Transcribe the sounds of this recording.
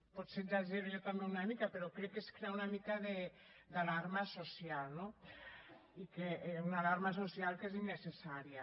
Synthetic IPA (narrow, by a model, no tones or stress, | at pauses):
pɔt̪sed͡ʒaʒeβʎot̪ambeunamikapeɾokɾɛkːeskɾeaunamikaðe | d̪alaɾmasosialno | ikeʔunalaɾmas̬osjalˠkezinːesesaɾia